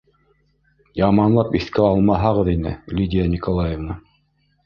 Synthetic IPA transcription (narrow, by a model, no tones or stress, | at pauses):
jɑmɑnlˠɑpiθkæɑlˠmɑɦɑʁɤðinɘ̰lʲid̪ʲijanʲikolˠajevna